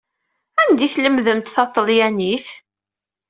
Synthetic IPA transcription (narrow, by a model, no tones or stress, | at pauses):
ænd̪iθləmðəmt̪θɑt̪ˤːəljæniθ